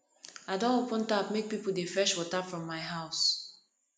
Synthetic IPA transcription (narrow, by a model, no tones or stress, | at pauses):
aɪdõnopə̃ntap̚mek̚pipl̩ˠdefɛʃwɔtapfɹɔ̃mːaɪɦaʊs